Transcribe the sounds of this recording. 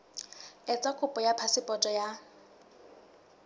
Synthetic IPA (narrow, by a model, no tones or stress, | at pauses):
ɛt͡sʼakʰʼʊpʼɔjapʰasɪpʼɔtʼɔja